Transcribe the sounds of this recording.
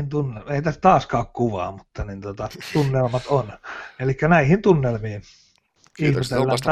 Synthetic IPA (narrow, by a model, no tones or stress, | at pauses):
int̪unːeleˑit̪æst̪ɑːskɑˑokkuʋɑ̰ːmut̪ːɑnint̪ot̪ɑt̪unːelmɑt̪onelikːænæihint̪unːelmiːn | ihmet̪elːæ